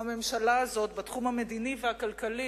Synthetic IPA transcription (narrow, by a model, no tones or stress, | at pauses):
hame̞mʃalaːzo̞tbat̪χumhame̞d̪inivehakalkali